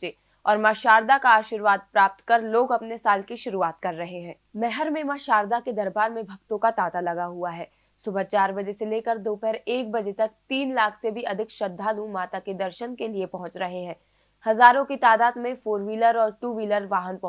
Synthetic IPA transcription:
t͡ʃe | ɔːɾmaʃaːɾd̪akaaːʃiɾʋaːd̪̚pɾaːp̚t̪kɐɾloːɡɐpnesaːlkiʃʊɾuaːt̪kɐɾːɐɦeɦɛ̃ːmɛɦəɾmẽmaːʃaːɾd̪aked̪ɐɾbaːɾmẽbʱɐɡt̪õkat̪aːt̪alɐɡaɦuaɦɛː | sʊbʱət͡ʃaːɾbɐd͡ʒeseleːkəɾd̪oːpɛɦɾeːk̚bɐd͡ʒet̪ɐk̚t̪iːnlaːkʰsebʱiɐd̪ʱɪkʃɐd̪ʱːaːlũmaːt̪aked̪ɐɾʃənkeliepɐɦʊ̃t͡ʃɾɐɦeɦɛ̃ː | hɐzaːɾõkit̪aːd̪aːd̪mẽfoːɾʋiːləɾɔːɾʈuːʋiːləɾʋaːɦənpɐ

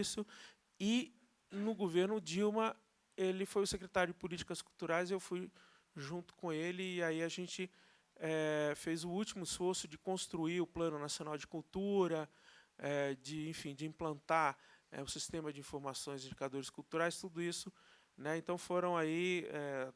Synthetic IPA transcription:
sʊ | ɪ | nʊɡoveɾnʊd͡ʒiwmɐ | elɪfojʊsekɾet̪aɾjʊd͡ʒɪpʊlit͡ʃi̥kɐskuwt̪uɾajzewfuj | ʒũnt̪ʊ̥kõelɪːaiaʒẽnt͡ʃɪ | ɛfejzʊut͡ʃimʊɪsfoɾsʊd͡ʒɪkõst̪ɾuiʊplɐ̃nʊnasionawd͡ʒɪkuwt̪uɾɐɛd͡ʒɪẽfĩd͡ʒɪĩplɐ̃nt̪aɛ̰ʊsist̪ẽmɐd͡ʒɪĩfoɾmasõj̃zĩd͡ʒikad̪oɾɪskuwt̪uɾajst̪ud̪ʊisʊ | nɛẽnt̪ɐ̃w̃foɾɐ̃w̃aiɛ

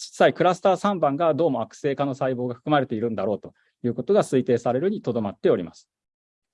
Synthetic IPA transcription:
t͡ɕi̥sːaikɯ̟ɾasɨ̥t̪aːsãmbãŋɡad̪o̞ːmo̞akɯ̟̥se̞ːkano̞saibo̞ːɡaɸɯ̥kɯ̟maɾe̞t̪e̞iɾɯ̟̃nd̪aɾo̞ːt̪o̞ | jɯ̟ːko̞t̪o̞ɡasɨit̪e̞ːsaɾe̞ɾɯ̟ɲ̟it̪o̞d̪o̞mat̪ːe̞o̞ɾʲima̰sɨ̥

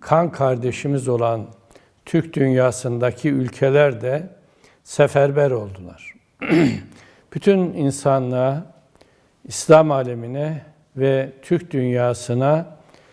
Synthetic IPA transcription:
kʰankʰaɾd̪eʃimizo̞lˠan | t̪ʰyɾcd̪ynjaːsɯnd̪acʰiylʲcʰelʲæɾd̪ɛ | sɛfæɾbæɾo̞lˠd̪ulˠaɾ̥ | b̥yt̪ʰyninsanlˠa | islʲamaːlʲeminɛ | vɛt̪ʰyɾc̚d̪ynjaːsɯna

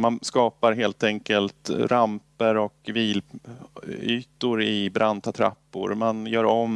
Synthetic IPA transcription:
manskɑːpaɾɦeːlt̪ɛŋkəlt̪ɾampəɾɔkviːl | yːt̪ʊɾɪbɾʔant̪at̪ʰɾa̰pːʊ̰ɾmanjœːɾɔm

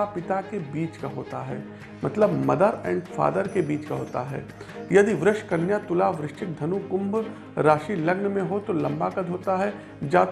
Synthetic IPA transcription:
apɪt̪akebiːt͡ʃkaɦoːt̪aɦɛ̰ː | mɐt̪ləbmɐd̪əɾɛ̰̃ːɳɖfa̰ːd̪əɾkebiːt͡ʃkaɦoːt̪a̰ɦɛ̰ː | jɐd̪iʋɾɪʃkɐnjat̪ʊlaʋɾɪʃʈɪk̚d̪ʱɐnukʊ̃mb | ɾaːʃilɐɡnmẽɦot̪olɐ̃mbakɐd̪ʱɦoːt̪aɦɛ | d͡ʒaːt̪

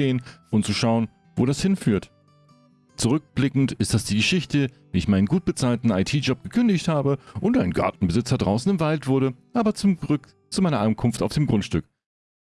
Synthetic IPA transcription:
eːənʔʊntt͡suʃaʊən | voːɾashɪnfyːɐt | t͡suʁʏk̚b̥lɪkŋ̩tɪst̚d̥asd̥iːɡəʃɪçtəviːɪçmaɪnənɡuːt̚b̥ət͡saːltn̩aɪtʰiːd͡ʒɔp̚ɡ̥əkʰʏndɪçthaːbəʔʊntʔaɪnɡa̰ɐtn̩bəzɪt͡sɐdʁaʊsn̩ɪmvaltv̥ʊɐɾəʔaːbɐt͡sʊmɡʁk | t͡sumaɪnɐʔankʰʊnftaʊfd̥eːmɡʁʊntʃtʏk

